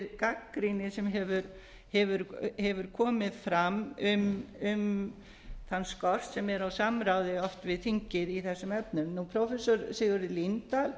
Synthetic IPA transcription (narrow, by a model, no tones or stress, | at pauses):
ɾkakːɾinɪsɛmɦɛvʏɾ | hɛvʏɾhɛvʏɾ̥kʰɔːmɪðfɾamʏmʏm | θanːskɔr̥t̪sɛmɛɾawsamɾawðɪɔft̪vɪðθiɲcɪðiθɛsːʏmɛpnʏmnupʰɾɔwfɛsɔɾsɪɣʏɾɪlint̪al